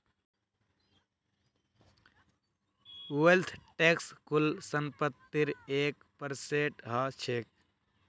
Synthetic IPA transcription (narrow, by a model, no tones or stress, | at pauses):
welt̪ʰʈekskulsəmpət̪ːiɾeːk | pəɾseʈɦat͡ʃʰek̚